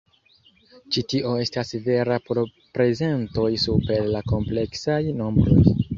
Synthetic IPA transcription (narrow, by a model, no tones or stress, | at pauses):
t͡ʃitiʔo̞e̞stasve̞ɾapoɾ | pɾe̞ze̞nto̞jsupe̞ɾlako̞mple̞ksajno̞mbɾo̞̰j